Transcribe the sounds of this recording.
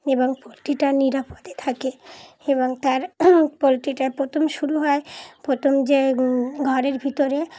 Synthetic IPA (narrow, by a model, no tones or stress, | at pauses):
eboŋpolʈiʈaniɾapod̪et̪ʰake | eβoŋt̪aɾpolʈiʈapɾot̪ʰomʃuɾuɦɔepɾot̪ʰomd͡ʑeɡʱɔɾeɾbʱit̪oɾe